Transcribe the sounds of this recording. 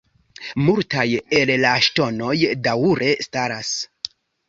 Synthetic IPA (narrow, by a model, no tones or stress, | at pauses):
multajellaʃto̞no̞jdawuɾʔe̞staɾas